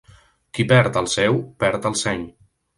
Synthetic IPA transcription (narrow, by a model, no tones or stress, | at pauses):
kipɛɾt̪əlˠsɛwpɛɾt̪əlˠsɛɲ